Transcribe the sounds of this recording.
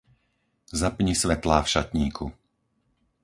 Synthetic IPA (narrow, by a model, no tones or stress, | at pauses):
zapɲisʋɛt̪laːfʃat̪ɲiːkʰu